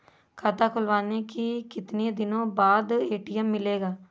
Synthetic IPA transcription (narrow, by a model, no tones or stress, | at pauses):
kʰaːt̪aːkʰʊlʋaːneːkikɪt̪neːd̪ɪnõːbaːd̪eːʈiːɛmːɪleːɡaː